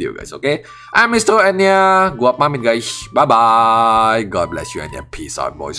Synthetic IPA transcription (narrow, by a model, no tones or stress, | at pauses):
diṵɡa̰jsoke | ʔãnmistoɛniəɡuap̚mãŋmit̚ɡajsbajba | jɡɔd̚blɛ̰sjuɛ̰̃njɔ̰pʰisɔ̰t̚bɔ̰js